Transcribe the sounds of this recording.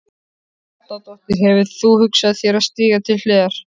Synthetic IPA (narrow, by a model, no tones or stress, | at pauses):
at̪at̪ɔht̪ɪɾ̥ɦɛvʏθuhʏksaðθjɛɾaðst̪iːɣat̪ʰɪlfɛːɣaɾ̥